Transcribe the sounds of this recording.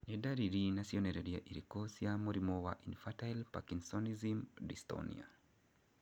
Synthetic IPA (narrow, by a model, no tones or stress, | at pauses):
nɛdaɾiɾinasiɔnɛɾɛɾiaʔiɾikɔsjamoɾimɔwaʔinfatailpa̰kinsɔnizimdistɔ̰nḭa̰